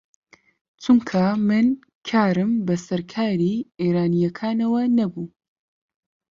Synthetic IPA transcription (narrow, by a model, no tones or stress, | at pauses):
t͡ʃʰumkʰɐmɨn | kʰaːɾɨmbɐsɐɾkʰaːɾiːeːɾaːnijɐkʰaːnɐwɐnɐbuː